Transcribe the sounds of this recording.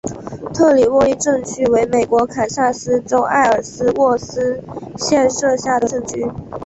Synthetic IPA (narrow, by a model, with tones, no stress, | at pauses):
t̪ʰɤ˥˩li˨˩wɔ˥˧i˥˧ʈ͡ʂɤ˥˧ŋt͡ɕʰy˥˩we˧˥ɪme˨˩ɪkwɔ˧˥kʰa˨˩nɕa˥˩sɹ̩˥ʈ͡ʂo˥ʊʔa̰˥˩ɪə˞˨˩sɹ̩˥wɔ˥˩sɹ̩˥ɕjɛ˥˧nʂɤ˥˧ɕja˥˩d̪ə˩ɤ˥˩t͡ɕy˥